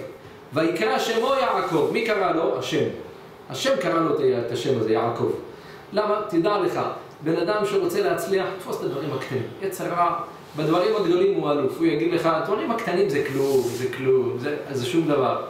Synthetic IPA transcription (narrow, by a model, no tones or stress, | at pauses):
vajikʁaʃemojaʕko̞vmikaʁalo̞aʃe̞m | haʃe̞mkaʁalo̞t̪et̪aʃemazeja̰ʕko̞̰v | lamat̪id̪ale̞χa̰ | be̞nad̪amʃʁo̞t͡selehat͡sliaħt̪fo̞se̥t̪ad̪vaʁimhakt̪animjet͡seʁa | bed̪vaʁimhaɡd̪o̞limualufujaɡid̪leχad̪vaʁimhakt̪animzeklumzeklumzeazeʃumd̪avaʁ